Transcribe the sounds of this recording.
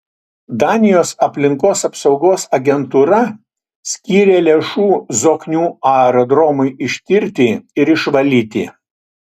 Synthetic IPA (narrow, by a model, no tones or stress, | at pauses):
d̪ɑːnʲɪjoːsɐpʲlʲɪŋkoːsɐpsɒʊɡoːsɐɡʲɛnt̪uːɾɐ | sʲkʲiːɾʲeːlʲeːʃuːzoːknʲuːɑɛɾod̪ɾɔmʊɪɪʃʲt̪ʲɪɾʲt̪ʲɪɪɾɪʃʋɐlʲiːt̪ʲɪ̰